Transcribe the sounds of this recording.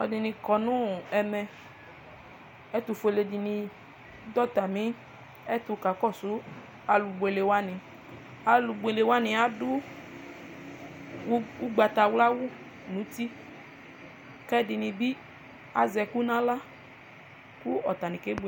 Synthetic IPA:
ɔ˨dɪ˧nɪ̃˧kɔ˨nʊ̃˦ɛ˨mɛ˧ | ɛ˦t̪u˧fo˨le˨di˨nĩ˧ | d̪ɔ˦t̪a˨mĩ˨˦ | ɛ˦t̪ʊ˧ka˨˦kɔ˦˨sʊ˨˦ | a˨˧lu˨be˨le˨wa˦nĩ˨ | a˨lu˨˧ɡ͡be˨le˨wa˦nɪ̃˨a˦dʊ˦ | u˦ɡ͡ba˨t̪a˨wla˦wʊ˦ | nũ˨˦t̪i˦ | kɛ˦dɪ˧nĩ˧bi˦ | a̰˨zɛ˧ku˦nã˦la˦ | ku˦ɔ˨t̪a˨nĩ˨ke˨˦b

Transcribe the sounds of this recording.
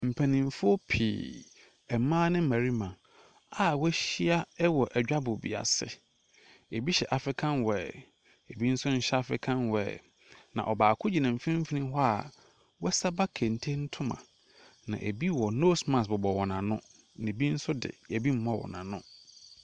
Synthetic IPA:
m̩˨pʰæ˨nĩ˨m˨fʊ˦ɔ˦pʰḭː˨ | ɛ˨mãː˦nɪ̃˦mæ˨ɾi˦mã˨ | a˨wɛ˦ɕi˦a˦ɛ˦wɔ˨ʔɛ˨d͡ʑᶣa˦bʊ˨bḭ˨a̰˨sɪ̰˦ | e˨bi˦ɕɛ˨ʔa˨fɪ˦kʰã˦nwɛ˨ | e˨bi˦n̩˦sʊ˦ɲ̩˦ɕɛ˦a˦fɪ̰˦kʰã˦nwɛ̰˨ | nã̰˨ʔɔ˨baː˨kʰʊ˦d͡ʑi˨nã˨m̩˨fi˦ĩ˦m̩˦fi˦nĩ˦ɦɔ˦a˨ | wɛ˦sa˦ba˦kʰɛ̃˨n̩˨tʰe˦n̩˦tʰʊ̃˦mã̰˨ | nã̰˨ʔe˨bi˦wɔ˨no˦smã˨sbʊ˨bɔ˨wɔ˨nã˨nʊ̰̃˦ | nɪ̃˨bi˦n̩˦sʊ˦dɪ̰˨e˨bi˦m̩˦mɔ̃˦˨wɔ̰˨nã̰˨nʊ̰̃˦

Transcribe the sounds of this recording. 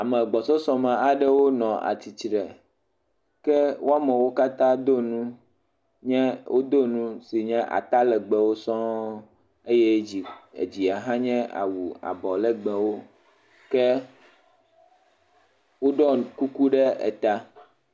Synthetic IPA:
a˨mɛ̃˨ɡ͡bɔ˨sɔ˦sɔ̃˦mã˨a˨ɖɛ˦wo˦nɔ̃˨ʔa̰˨t̪i˨t͡ɕɖɛ˨ | kɛ˦wo˦a˦mɛ̃˨wo˦ka˦t̪ã˦d̪o˦nũ˦ | ɲɛ̃˦wʔo˦d̪o˦nũ˦si˨ɲɛ̃˦ʔa̰˨t̪a˦lɛ˨ɡ͡bɛ˨wo˦sɔ̃˦ | e˦jɛ˦i˨ḛ˨d͡ʑi˨a˨ɦã˦ɲɛ̃˦ʔa̰˨wu˨a̰˨bɔ˨lɛ˨ɡ͡bɛ̃˨wo˦ | kɛ˦ | wo˦ɖɔ˦ku˦ku˦ɖɛ˦ɛ̰˨t̪a˦

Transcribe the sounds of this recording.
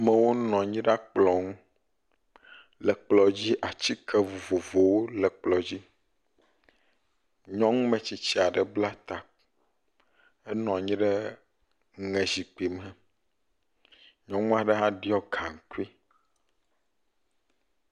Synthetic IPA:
mɛ̃˨wo˦nɔ̃˨ɲĩ˦ɖa˦k͡plɔ˨ŋũ˦ | lɛ˨k͡plɔ˨d͡ʑi˦ʔa˨t͡ɕi˦kʰɛ˦vo˨vo˨vo˨wo˦lɛ˨k͡plɔ˨d͡ʑi˦ | ɲɔ̃˦ŋũ˦mɛ̃˨t͡ɕi˨t͡ɕi˦a˨ɖɛ˨bla˦t̪a˨ | ɛ˦nɔ̃˨ɲĩ˦ɖɛ˦ | ŋɛ̃˨zi˨k͡pi˨mɛ̃˨ | ɲɔ̃˦ŋũ˦a˨ɖɛ˦ɦã˦ɖi˦ɔ˦ɡa˨ŋ̩˨ku˦i˦

